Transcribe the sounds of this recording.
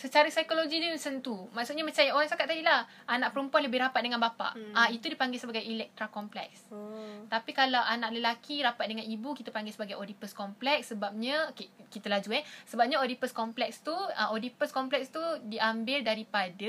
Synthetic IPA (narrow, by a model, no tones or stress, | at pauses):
sət͡ʃaɾəsajkoloɡidisənt̪umaʔsut̪̚ɲamãt͡ʃajaoɾaŋsakat̪ːadilah | ʔanãʔpəɾəmpuanləbɪhɾapat̪̚dəŋanbapa̰ʔait̪udipaŋɡɪsəbaɡajilɛk̚t̪ɾakɔmplɛ̰k̚st̪apikalawʔanãʔləlakiɾapat̪̚dəŋãnibukit̪apaŋɡɪsəbaɡajodipəskɔmplɛksːəbap̚ɲãokekit̪əlahd͡ʒuɛsəbap̚ɲaodipəskɔmplɛkst̪uəʔodipəskɔmplɛkst̪udiʔambɪldaɾipadə